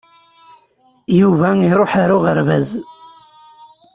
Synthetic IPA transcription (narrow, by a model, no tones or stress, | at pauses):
juvæiɾˤoħaɾʊʁəɾvæz